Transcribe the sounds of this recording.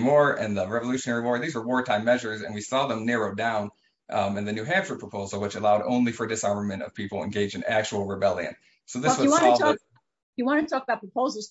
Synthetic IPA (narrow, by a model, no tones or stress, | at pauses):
mɔɹɨ̰̃nðəɹɛvəlʉʃɨnɛɹimɔɹðizwə˞wɔɹtʰãɪ̃mːɛʒə˞zɨ̰̃nwisɔðə̃mnɪɹoʊdãʊ̃n | ɨ̃nðɨnʉɦæ̃nt͡ʃɹəpʰɹ̥əpʰoʊzl̩ˠwət͡ʃɨlaʊɾõ̰ʊ̃nlifə˞dɨsɑɹmə˞mɨ̃ɾ̃tʌ̰v̥pʰipl̩ˠə̰̃nɡeɪd͡ʒɨ̃næk̚t͡ʃul̩ˠɹɨbɛlˠjɨ̰̃n | soʊðɪswʌɨwɑ̃nˠtʰɔ | jɨwɑ̃nɨtʰɔkəbaʊt̚pɹəpʰoʊzl̩ˠz̥